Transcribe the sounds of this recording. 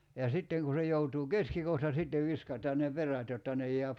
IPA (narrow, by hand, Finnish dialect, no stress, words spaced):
jɑ sitːeŋ ku se joutuː keskikohtɑ sitːeʋ ʋiskɑtˑɑːn ne peræt jotːɑ ne jˑeæp